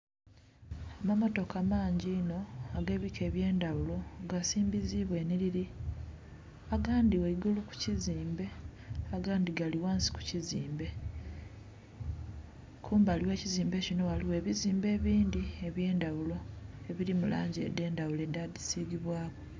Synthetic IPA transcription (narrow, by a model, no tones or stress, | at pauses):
amamo̞to̞kamaːɲɟiːno̞aɡe̞βikʰe̞ːβje̞ːndawulo̞ɡasiːmbiziβwe̞ːniliɾi | aɡaːndiweiɡuluku̥ciziːmbe̞aɡaːndiɡaliwaːnsi̥ku̥ciziːmbe̞ | kʰuːmbaːliwe̞ːciziːmbe̞cino̞waliwe̞ːβiziːmbe̞ːβiːndie̞βje̞ːndawulo̞e̞βiɾimula̰ːɲɟḛde̞ːndawule̞dadisiːɡiβwaːɣo̞